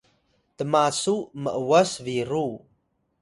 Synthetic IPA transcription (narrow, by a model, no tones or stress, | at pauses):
t̪əmasuməʔwəsviɾu